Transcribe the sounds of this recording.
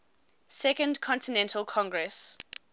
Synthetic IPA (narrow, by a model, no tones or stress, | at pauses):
sɛkə̃ndkʰɔ̃ntinɛ̃ntʰəlˠkʰɔ̃ŋɡɹɛs